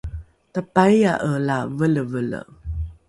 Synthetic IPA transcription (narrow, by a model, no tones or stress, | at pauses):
təpajaʔəlavələvələ̰